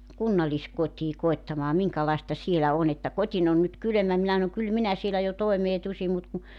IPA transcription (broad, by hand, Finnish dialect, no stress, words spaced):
kunːɑlːiskotʲiː koetːɑmɑː miŋkɑlɑestɑ sielæ on etːæ kotʲin on nyt kylø̆mæ minæ s̆ɑnoŋ kyl minæ sielæ jo toemeː tusim mut ku